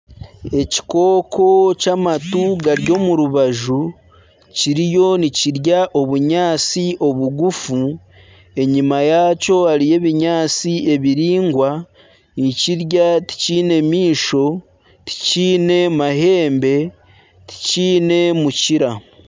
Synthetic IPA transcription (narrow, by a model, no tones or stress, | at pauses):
e̞ci̥ko̞ːkʰo̞camatuɡaɾjo̞ːmuɾuβaʒu | ciɾijo̞niciɾjaʔo̞βuɲaːt͡siʔo̞βuɡufu | e̞ɲimajaːco̞haɾije̞βiɲaːt͡sie̞βiɾiːŋɡwa | niciɾjati̥ciːne̞miːʃo̞ | ti̥ciːne̞maɦe̞ːmbe̞ | ti̥ciːne̞muciɾa